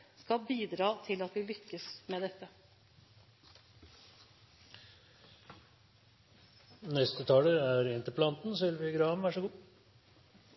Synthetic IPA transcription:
skɑbiːd̪ɾɑːt̪ʰɪlɑt̪ʋɪlʏkːəsmeːd̪ɛt̪ːə | nɛst̪ət̪ʰɑːləæːɾɛnt̪əpʰlɑnt̪n̩sɔʋɪlʋɪɡɾɑːɔmʋæːʂɔɡuː

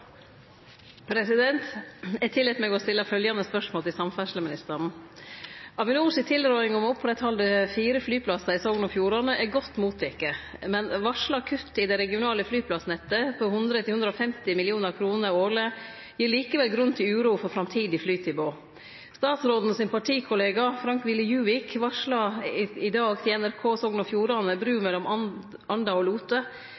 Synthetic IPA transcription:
pʰɾɛsɪd̪ɛnt̪ɛt̪ʰɪlːɛːt̪mɛɡɔst̪ɪlːəfœljɑnəspœʂmoːlt̪ʰɪlsɑmfæʂləmɪnɪst̪əɾn̩ | ɑʋɪnuːsɪt̪ʰɪlɾɔʏɪŋɔmɔpfɔɾɛt̪ʰɑld̪ɛfiːɾəflyːpʰlɑsɑɪsɔlnɔfjuːɾɑnəʔæɡɔt̪ːmuːt̪ʰːɛkːəmɛnʋɑʂləɑkʰʉt̪ːɪd̪ɛɾɛɡɪʊnɑːləflyːpʰlɑsnɛt̪ːəpʰɔhʉnd̪ɾət̪ɪhʉnd̪ɾɔfɛmt̪ɪmɪlɪuːnəɾkʰɾuːnəɾoːlə | jiːɾɭiːkəʋɛlɡɾʉnt̪ʰɪlʉːɾuːfɔɾfɾɑmt̪ʰiːd̪ɪflyːt̪ʰɪboː | st̪ɑːt̪sɾoːd̪n̩ɔsɪnpɑʈʰiːkʰʊleːɡɑfɾɑŋkʋɪlːəjʉːʋɪkʋɑʂlɑɪd̪ɑːɡt̪ʰɪɛnæɾkʰoːsɔŋnɔfjuːɾɑnəbɾʉːmɛlːɔmɑ | ɑnd̪ɑɔluːt̪ə

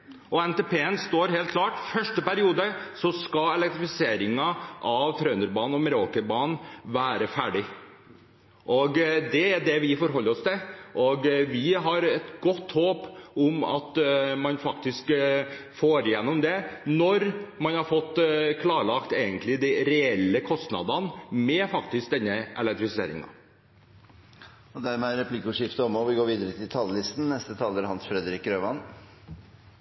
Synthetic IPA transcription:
ʔɔɛnt̪eːpeːɛnst̪oːɾɦeːlkʰlɑːʈfœʂʈəpæɾɪuːd̪əsɔskɑɛlɛk̚t̪ɾɪfɪseːɾɪŋɑʔɑʋt̪ʰɾœʏnəɾbɑːn̩ɔməɾoːkəbɑːnnʋæːɾəfæːɖɪ | ʔɔɡd̪ɛæɖ̪ɛʋɪfɔɾɦɔlːəɾɔst̪ɪʔɔɡʋɪɦɑɾɛt̪ɡɔt̪ːhoːpɔmɑ̰t̪mɑnfɑkt̪ɪskfoːɾjɛnːɔmd̪ɛnɔɾmɑnhɑɾfɔt̪ːkʰlɑːɾɭɑkt̪eːɡənt̪ʰlɪd̪ɛɪɾɛɛlːəkʰɔst̪nɑ̰d̪ɑnmɛfɑkt̪ɪsk̚d̪ɛnːəʔɛ̰lɛkt̪ɾɪsɪḛːɾɪ̰ŋɑ̰ | ɔd̪æɾmɛæɾɛpʰlɪkːʊʂɪft̪əɔmɔʋɪɡoːɾʋiːd̪əɾət̪ʰɪlt̪ʰɑlːəlɪst̪n̩nɛst̪ət̪ʰɑːləɾhɑnsfɾɛd̪ɾɪkːɾøːʋɑn

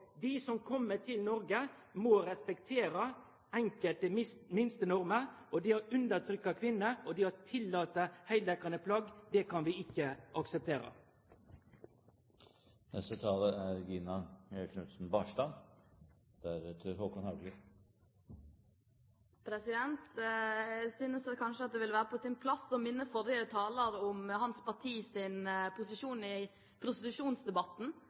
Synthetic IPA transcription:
d̪ɪsɔmkʰɔmːəʈ̪ʰɪlnɔɾɡə | mɔɾɛspɛkt̪ʰeːɾə | æŋkəlt̪əmmɪnst̪ənɔɾməʔɔd̪ɪhɑɾʉnd̪ət̪ʰɾʏkːɑkʰʋɪnːəɔd̪ɪhɑt̪ʰɪlːɑːt̪əhæɪld̪ɛkɑnəpʰlɑɡd̪ɛkʰɑnʋɪɪkːəʔɑksɛp̚t̪ʰeːɾə̰ | nɛst̪ət̪ʰɑːləæɾɡiːnɑœʃnʉt̪sn̩bɑːʂt̪ɑn | d̪̥ææɾt̪ʰøhoːkɔnhɑʉɡlɪ | pʰɾɛsɪd̪ɛnt̪ | syːnəsɑkʰɑnʂəɑt̪̚d̪ɛʋɪlʋæːɾəpʰɔsɪnpʰlɑsːɔmɪnːəfɔɾjət̪ʰɑːləɾɔmhɑnspɑʈʰiːsɪnpʰʊsɪʂuːnɪ | pʰɾʊst̪ɪt̪ʉʂuːnsd̪ɛbɑt̪ːn̩

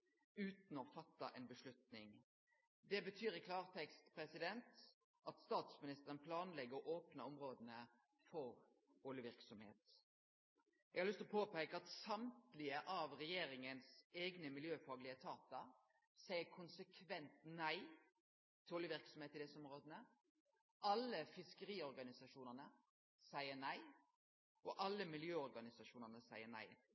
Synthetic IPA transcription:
ʉːt̪n̩ɔfɑt̪ːɑ̰ʔɛ̰nbəʂlʉt̪nɪŋ | d̪ɛbət̪ʰyːɾɪkʰlɑːʁt̪ʰɛkst̪pʰɾɛsɪd̪ɛnt̪ | ʔɑt̪st̪ɑːt̪smɪnɪst̪əʁənpʰlɑːnlɛɡəʁɔʔoːpnəɔmɾoːd̪ənə | fɔʁ | oːlɪʋɪɾksɔmhḛːt̪ | ɛɡhɑlʏst̪ɔpʰoːpeɪkəɑt̪sɑmt̪lɪəʔɑʋʁɛjeːɾɪŋənseːɡnəmɪljøːfɑːɡlɪət̪ʰɑːt̪ɑ | sæɪəkʰʊnsəkʰʋɛnt̪næɪ | t̪ʰɪloːlɪəʋɪɾksɔm̩eːt̪ɪd̪ɛsəɔmɾoːd̪ənə | ʔɑlːəfɪskəɾiːɔɾɡɑnɪsɑʂuːnəʁnə | sæɪənæɪ | ʔɔʔɑlːəmɪljøːɔɾɡɑnɪsɑʂuːnəʁnəsæɪənæ̰ɪ

